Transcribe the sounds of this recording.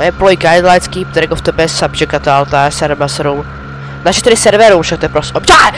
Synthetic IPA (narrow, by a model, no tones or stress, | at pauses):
jɛplojɡajd̪lajskiːp̚t̪ɛɾɛɡoft̪ɛbɛsabd͡ʒɛkat̪alt̪aɛsɛɾmasɾum | naʃɛt̪ɛdɪsɛɾvɛɾumʃak̚t̪ojɛpɾosot͡ʃa